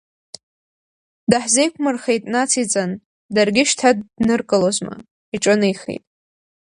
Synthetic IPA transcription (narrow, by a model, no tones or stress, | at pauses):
daħzejkʷʰmɨrχejtʼnat͡sʰit͡sʼan | darɡʲɪʃtʰad̚nɨrkʼɨlozma̰ | iʈ͡ʂʼɨnejχḛjtʼ